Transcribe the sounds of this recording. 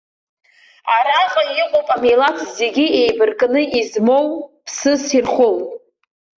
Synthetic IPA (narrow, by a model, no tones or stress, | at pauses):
aɾaqʼaiqʷʼowpʼamejlatʰze̞ɡʲiejbɨrkʼnɨizmo̞wpʰsɨsirχowʼ